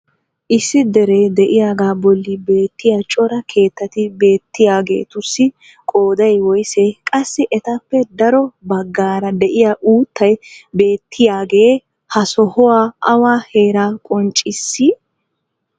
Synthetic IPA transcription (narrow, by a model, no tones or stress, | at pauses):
ʔɪsːɪd̪ɛɾeːd̪ɛʔɪjaːɡaːbɔlːɪbe̞ːt̪ːɪjat͡ʃʼɔɾɐkʰe̞ːt̪ːɐt̪ɪbe̞ːt̪ːɪjaːɡe̞̰ːt̪ʊsːɪ | kʼo̞ːd̪ɐjwɔjsɛkʼɐsːɪʔɛt̪ɐpːɛd̪ɐɾɔbɐɡːaːɾɐd̪ɛʔɪjaːʔuːt̪ːɐjbe̞ːt̪ʰːɪjaːɡe̞ː | hɐsɔhɔwaːɐwaːhe̞ːɾaːkʼɔnt͡ʃʼɪsːɪ